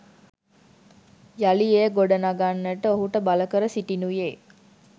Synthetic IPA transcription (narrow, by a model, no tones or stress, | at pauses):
jalijejəɡoɖənaɡanːəʈəoɦuʈəbaləkəɾəsiʈinujeː